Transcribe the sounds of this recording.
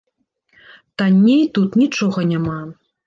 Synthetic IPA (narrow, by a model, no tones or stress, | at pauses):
t̪anʲːejt̪ut̪nʲit͡ʂɔɣɐnʲama